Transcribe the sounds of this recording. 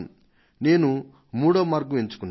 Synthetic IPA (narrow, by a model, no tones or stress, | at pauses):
ne̞ːnu | muːɽɐːmaːɾɡueɲt͡ʃu̥kunː